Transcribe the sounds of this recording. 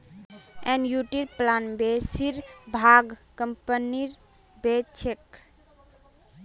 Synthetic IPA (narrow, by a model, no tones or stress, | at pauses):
ɛnjuʈiɾplanbesiɾbʱaɡkəmpəniɾ | bet͡ʃʰek